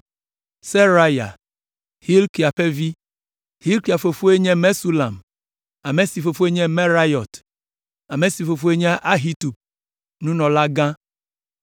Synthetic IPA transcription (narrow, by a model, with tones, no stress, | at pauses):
se˦ɾa˦ja̰˨ | hi˦lki˨a˨ɸɛ˦vi˦ | hi˦lki˨a˨fo˨fo˦e˦ɲɛ̃˦mɛ˦su˦la˨m | a˨me˨si˨fo˨fo˦e˦ɲɛ̃˦mɛ˦ɾa˦jɔ˨t̪ | a˨me˨si˨fo˨fo˦e˦ɲ˦ʔa˦ɦi˦t̪u˨b̚ | nũ˦nɔ̃˨la˦ɡã˦